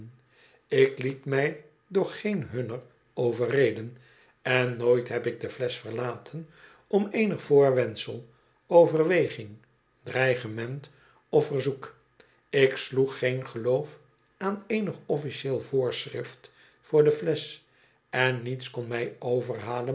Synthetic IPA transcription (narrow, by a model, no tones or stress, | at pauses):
n | ɪklitmɛj | dʊːχejnɦɵnər | owvərejdən | ɛnːoːjtɦɛpɪk̚dəflɛsfərlaːtʰən | ɔmejnəχfʊːɹʋɛnsəlˠ | owvərʋejχɪŋ | d̥rɛjχəmɛnt | ɔfərzuk | ɪksluχːejnχəlowf | aːnejnəχɔfiʃeːlˠvʊːɹsrɪft | fʊːɹdəflɛs | ɛnːitskɔnmɛjowvərɦaːlə